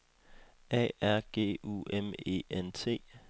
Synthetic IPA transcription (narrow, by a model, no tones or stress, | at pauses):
ɛ̰ːæɐ̰ɡ̥e̝̰ːṵeme̝̰ent͡sʰe̝̰ː